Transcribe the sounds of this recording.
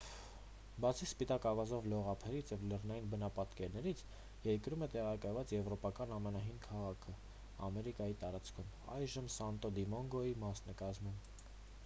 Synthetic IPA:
bɑt͡sʰispit̪ɑkɑvɑzɔvlɔʁɑpʰɛɾit͡sʰjɛvlɛʁnɑjinbənɑpɑt̪kɛɾnɛɾit͡sʰ | jɛɾkɾumɛt̪ɛʁɑkɑjvɑt͡sjɛvɾɔpɑkɑnɑmɛnɑɦinkʰɑʁɑkʰə | ɑ̰mɛɾikɑjit̪ɑɾɑt͡skʰum | ɑ̰jʒəmsɑnt̪ɔd̪imɔŋɡɔimɑsnɛkɑzmum

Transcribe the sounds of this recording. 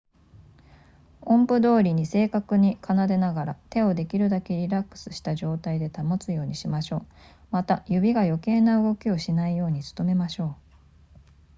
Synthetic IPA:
õ̞mpɯ̟d̪o̞ːɾʲiɲ̟ise̞ːkakɯ̟ɲ̟ikʰanad̪e̞naɡaɾat̪e̞o̞d̪e̞kʲiɾɯ̟d̪ake̞ɾʲiɾakːɯ̥sɨ̥ɕi̥t̪aʑo̞ːt̪aid̪e̞t̪amo̞t͡sɨjo̞ːɲ̟iɕimaɕo̞ː | mat̪ajɯ̟bʲiɡajo̞kẽ̞naɯ̟ɡo̞kʲio̞ɕinaijo̞ːɲ̟it͡sɨ̥t̪o̞me̞maɕo̞ː

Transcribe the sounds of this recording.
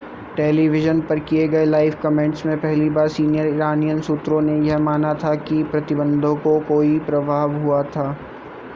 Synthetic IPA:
ʈeːliʋɪʒənpɐɾkieɡɐelaːɪfkɐmẽɳʈsmẽpɛɦlibaːɾsiːnijəɾɪɾaːnijənsʊt̪ɾõnejɛɦmaːnat̪ʰakipɾɐt̪ɪbə̃nd̪ʱõkokoːipɾɐbʱaːʋɦuat̪ʰaː

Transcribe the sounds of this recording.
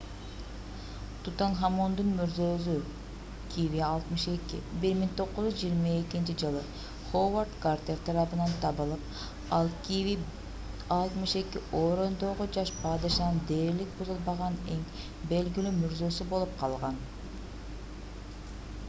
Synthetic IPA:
t̪ut̪anɦamond̪unmyɾzøzy | kʰiviɑlˠt̪mɯʃe̞kḭbiɾmiŋt̪ʰo̞qːʊʒʲuzd͡ʒijːɾmɑe̞kint͡ʃid͡ʒɯlˠɯ | χovart̪kart̪ʲeɾt̪ʰɑɾɑpɯnɑnt̪ʰɑβɯlˠɯp̚ | ɑlˠkii | ɑlˠt̪mɯʃe̞kiʔoːɾo̞nd̪oːʁod͡ʒɑʃpʰɑd̪ɯʃɑnɯnd̪eːɾlik̚buzulˠbɑʁɑne̞ŋ | be̞lɡilymyɾzø̞sybo̞lˠup̚qʰɑlˠʁɑn

